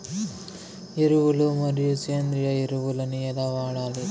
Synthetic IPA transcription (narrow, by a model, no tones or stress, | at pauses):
iɾuʋulumɐɾijut͡ʃeːnd̪ɾijɐiɾuʋulɐniɐlɐʋaːɽaːli